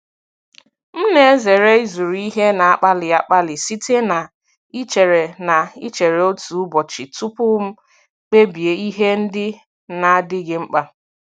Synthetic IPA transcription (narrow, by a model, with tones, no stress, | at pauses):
m̩˦ne˦e˦ze˨ɾe˦i˦zu˨ɾi˦ɦe˦na˨a˦k͡pa˦lɪ˨a˦k͡pa˦lɪ˨si˦te˦na˨ | i˦t͡ʃe˨ɾe˨na˨i˦t͡ʃe˨ɾe˨o˦tu˨˦bɔ˨t͡ʃɪ˨tu˦pʊ˦m̩˦ | k͡pe˦bi˨e˨i˦ɦe˦n̩˦dɪ˦ | na˨a˦dɪ˦ɡɪ˦ŋ͡m̩˦k͡pa˦